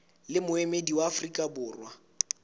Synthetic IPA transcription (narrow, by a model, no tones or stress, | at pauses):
lɪmʊɛmediwaːfrikʼabʊːrwa